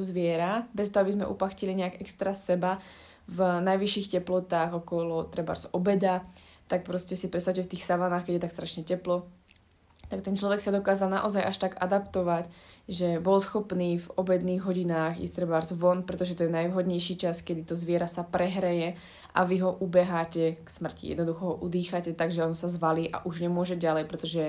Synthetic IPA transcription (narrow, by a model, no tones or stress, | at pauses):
zʋɪɛɾabɛst̪ɔɦɔabizmɛʔṵpaxciliɲɛaɡɛkst̪ɾasɛba | vnajʋiʃːiːxcɛplɔt̪aːɣɔkɔlɔt̪ɾɛba̰ɾzɔbɛd̪a | t̪ak̚pɾɔscɛsipɾɛt̪st̪at͡ʃuʊɛft̪iːxsaʋanaːxkɛɟjɛt̪akst̪ɾaʃɲɛcɛplɔ | t̪ak̚t̪ɛnt͡ʃlɔʋɛksad̪ɔkaːzalˠna̰ʔɔzajʔaʃt̪aɡa̰d̪apt̪ɔʋacʒɛbɔlsxɔpniːvɔbɛd̪niːɣɦɔɟinaːxḭst̪ɾɛbaɾzʋɔnpɾɛt̪ɔʒɛt̪ɔjɛnajʋɦɔd̪ɲɛjʃit͡ʃaskɛd̪it̪ɔzʋɪɛɾasapɾɛɦɾɛjɛ | ʔa̰ʋiɦɔʔubɛɦaːcɛksmr̩cḭjɛ̰d̪nɔd̪uxɔɦɔʔud̪iːxacɛt̪aɡʒɛɔnsazʋaliːʔa̰ʔuʒɲɛmʊɔʒɛɟalɛjpɾɛt̪ɔʒɛ